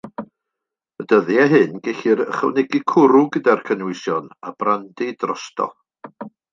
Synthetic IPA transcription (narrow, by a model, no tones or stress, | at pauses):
ədəðjaɦɨnɡɛɬɪɾə̰χə̰wnɛɡikʰʊɾʊɡədarkʰənwɪsjɔnab̥randidrɔstʰɔ̰